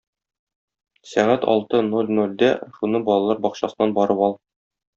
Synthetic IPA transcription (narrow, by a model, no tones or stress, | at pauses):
sæʁæt̪ɒ̰lˠt̪ɤnolʲnolʲd̪æʃunɤbɒlˠɑlˠɑɾbɒqɕɑsɤ̆nɑnbɒɾɤpɒlˠ